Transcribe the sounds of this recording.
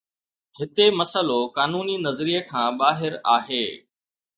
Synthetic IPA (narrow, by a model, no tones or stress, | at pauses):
hɪt̪emɐsəlokaːnuːninɐzɾijəkʰãːɓaːɦɪɾaːɦeː